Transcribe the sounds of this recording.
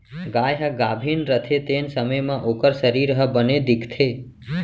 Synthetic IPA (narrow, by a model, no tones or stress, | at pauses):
ɡajɦaɡabʱinɾət̪ʰet̪ensəməjmãʔokəɾsəɾiɾəɦəbəned̪ikʰt̪ʰe